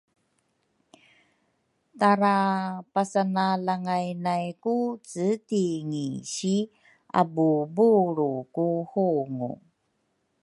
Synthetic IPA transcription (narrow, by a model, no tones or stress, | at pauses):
taɾapasanalaŋajnajkut͡sətiŋiɕi | a̰bubuɾukuhuŋṵ